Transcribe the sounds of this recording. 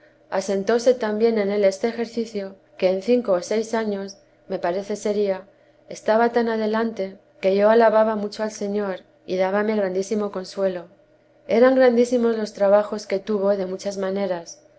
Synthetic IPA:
ase̞nt̪o̞se̞t̪ambje̞ne̞ne̞le̞st̪e̞ːxe̞ɾθiθjo | ke̞ːnθiŋko̞ːse̞jsaɲo̞s | me̞paɾe̞θe̞se̞ɾia | est̪aβat̪anaðe̞lant̪e̞ | ke̞ʝo̞alaβaβamut͡ʃo̞alse̞ɲo̞ɾ | iðaβame̞ɣɾand̪isimo̞ko̞nswe̞lo̞ | e̞ɾaŋɡɾand̪isimo̞zlo̞st̪ɾaβ̞axo̞ske̞t̪uβ̞o̞ðe̞mut͡ʃazmãne̞ɾas

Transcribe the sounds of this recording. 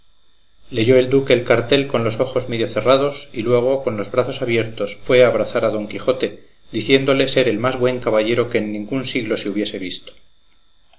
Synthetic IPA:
le̞ʝo̞e̞ld̪uke̞ːlkaɾt̪e̞lko̞nlo̞so̞xo̞zmeðjo̞θe̞rað̞o̞silwe̞ɣ̞o̞ko̞nlo̞zβɾaθo̞saβje̞ɾt̪o̞sfwe̞aːβ̞ɾaθaɾaðo̞ŋkixo̞t̪e̞ | ðiθje̞nd̪o̞le̞se̞ɾe̞lmazβwe̞ŋkaβaʝe̞ɾo̞ke̞ːnːĩŋɡunsiɣlo̞seuβje̞se̞βist̪o̥

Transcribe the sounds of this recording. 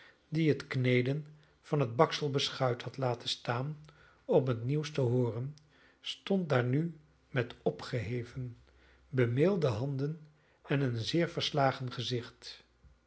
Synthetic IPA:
diɦətknejdən | v̥ɑnɦəd̚bɑksəlˠbəsχœɥthɑtlaːtənstaːn | ɔmɦətniwstəɦʊːrən | stɔnt̚daːɹny | mɛtɔpχəɦejvən | bəmɪlˠdəɦɑndən | ɛnənzɪːɹvəɹslaːχənχəzɪχt

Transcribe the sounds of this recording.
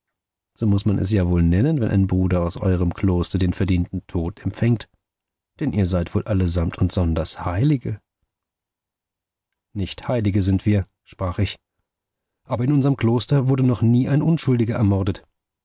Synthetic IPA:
z̥oːmʊsmanʔɛ̰sjaːvoːlnɛnənvɛnʔa̰ɪnbʁuːdɐaʊsʔɔ̰ʏʁ̞əmkl̥oːstɐdeːnfɛɐdiːntn̩tʰoːtɛmpfɛŋt | d̥ɛnʔiːɐzaɪtv̥oːlʔaləzamtʰʊntz̥ɔndɐshaɪlɪɡə | nɪçthaɪlɪɡəzɪntv̥iːɐ | ʃpʁ̥aːχɪç | ʔaːbɐɪnʊnzɐʁəmkl̥oːstɐvʊɐdənɔχniːʔaɪnʔʊnʃʊldɪɡɐʔɛɐmɔɐdət

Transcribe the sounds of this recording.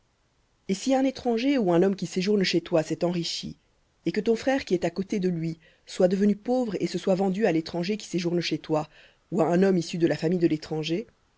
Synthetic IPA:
esiɛ̃net̪χɑ̃ʒeuɛ̃nɔmkʲiseʒuʁnʃet̪wasɛt̪ɑ̃ʁiʃḭ | ekət̪ɔ̃fχɛʁkʲiɛt̪akot̪ed̪əlɥi | swad̪əvənypovʁesəswavɑ̃d̪yalet̪χɑ̃ʒekʲi̥seʒuʁnʃet̪wa | uaɛ̃nɔmisyd̪əlafamijd̪əlet̪χɑ̃ʒe

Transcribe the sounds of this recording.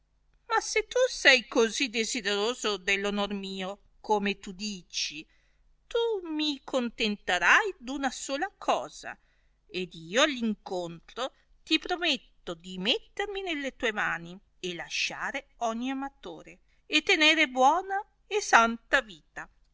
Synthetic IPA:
maset̪ːusɛjkozid̪ezid̪eɾoːzod̪elːonormiːo | komet̪ud̪iːt͡ʃi | t̪umikʰont̪ent̪eɾajd̪unasoːlakʰɔːz̥a̰ | ed̪iːoalːiŋkont̪ɾo | t̪ipɾomet̪ːod̪imet̪ːerminelːet̪uːemaːni | elaʃːaːɾe | ɔɲːiamat̪o̰ːɾe | et̪ːeneːɾebwɔːna | esant̪aviːt̪a

